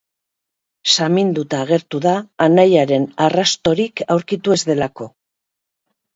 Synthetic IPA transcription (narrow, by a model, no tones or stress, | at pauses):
samind̪ut̪aːɣ̞e̞ɾt̪uðaːnajaɾe̞narast̪o̞ɾikawɾkit̪ue̞zðe̞lako̞